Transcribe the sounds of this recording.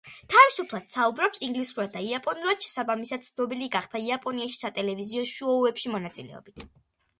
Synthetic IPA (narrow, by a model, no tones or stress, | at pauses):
t̪ʰavisupʰlˠad̪̥saubɾɔpsiŋɡlisuɾad̪̚d̪aiapʼɔnuɾad̪̥ʃɛ̥sabamisad̪̥̚t̪sʰnɔbiliɡaχt̪ʰaiapʼɔniaʃi̥sat̪ʼɛlɛviziɔʃuɔɛpʃimɔnat̪sʼilɛ̰ɔ̰bit̪ʰ